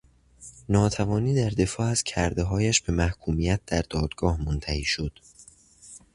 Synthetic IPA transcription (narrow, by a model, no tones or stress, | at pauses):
nɒːt̪ʰævɒːniːd̪æɾd̪e̞fɒːæz̥cʰæɾd̪e̞ɦɒːjæʃb̥e̞mæhkʰuːmijæt̪̚ʰd̪æɾd̪̥ɒːd̪̥ɡ̥ɒːhmont̪ʰæhiːʃo̞d̪̥